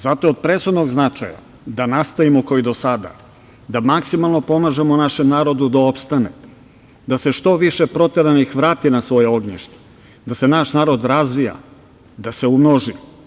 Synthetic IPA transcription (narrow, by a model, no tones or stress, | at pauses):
zat̪oːd̪̚pɾe̞sxud̪no̞ɡznat͡ʃa̰ja̰ | d̪anast̪aimokoid̪o̞sad̪a̰ | d̪amaksimalˠnopo̞maʒe̞monaʃe̞mnaːɾo̞d̪ud̪ao̞pst̪anḛ | d̪ase̞ʃt̪o̞ʋiʃepɾo̞t̪eɾanixʋɾaːt̪inasʋo̞jeo̞ɡɲeʃt̪o̥ | d̪asenaʃnaːɾod̪ɾazʋija̰ | d̪ase̞umnoʒi